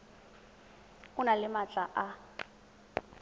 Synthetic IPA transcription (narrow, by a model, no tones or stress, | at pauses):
ʊnalɪmat͡ɬʼaʔa